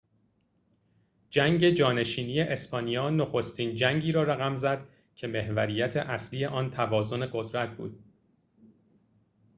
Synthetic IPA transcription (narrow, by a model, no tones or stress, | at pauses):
d͡ʒæŋɟe̞d͡ʒɒːne̞ʃiːnije̞ʔespɒːnijɒːnoxo̞st̪ʰiːnd͡ʒæŋɟiːɾɒːɾæɣæmzæd̪̥ | cʰe̞me̞hvæɾiːjæt̪ʰe̞̰ʔæsliːje̞ʔɒːnt̪ʰævɒːzo̞ne̞ɢod̪ɾæt̪̚bṵːd̪̥̚